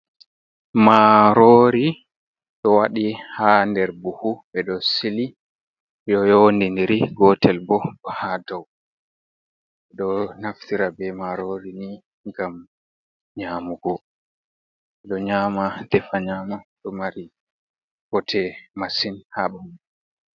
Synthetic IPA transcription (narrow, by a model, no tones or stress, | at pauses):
maɾoɾi | ɗɔwaɗihandɛɾbuhuɓɛɗɔsili | ɗɔjondindiɾiɡɔtɛlbɔɔhadaw | ɓɛɗɔnaftiɾabɛmaɾoɾini | ŋɡam | ɲaːmuɡɔ | ɓɛɗɔɲaːmadɛfaɲaːmaɗɔmaɾi | ɡ̥ɔtʰɛmasinhaɓami